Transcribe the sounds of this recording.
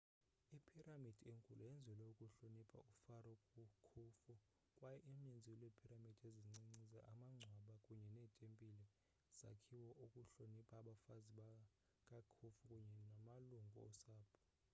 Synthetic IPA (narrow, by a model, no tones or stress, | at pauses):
ipʰiramid̥ʱieŋkʼuluɛnd͡zʱɛlɛukʼuɬonipʰa̰ufaɾɔkʼukʰufu | kʼwajɛʔim̩ɲend͡zʱiwlwepʰiramid̥ʱieziŋ͡ǀiŋ͡ǀizaʔamaŋ͡ǀʱwaɓakʼuɲɛnɛːtʼempʼili | z̥a̰kʰiwɔʔukʼuɬonipʰʼaɓafaziɓa | kʼakʰufukʼuɲɛnamaluŋɡʱɔ̰ɔsaːpʰɔ̥